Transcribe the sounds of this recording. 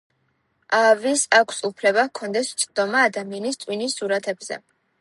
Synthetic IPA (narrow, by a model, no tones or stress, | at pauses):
ʔavisakʰsupʰlɛbakʰɔnd̪ɛst̪sʼd̪̥ɔmaːd̪amianist̪sʼwinisːuɾat̪ʰɛbz̥ɛ̰